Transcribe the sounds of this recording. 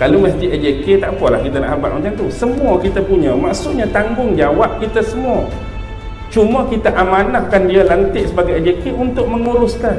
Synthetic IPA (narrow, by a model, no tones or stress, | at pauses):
kaloməst̪iʔɛd͡ʒeket̪aʔpualahkit̪ana̰ʔhaba̰ʔ̚mat͡ʃaŋt̪usəmuakit̪apuɲãmaʔsuʔɲat̪aŋɡʊŋd͡ʒawaʔ̚kit̪asəmua | t͡ʃumakit̪aʔamanahkandialant̪ɪʔsəbaɡajad͡ʒekeʔunt̪ʊʔ̚məŋuɾʊskan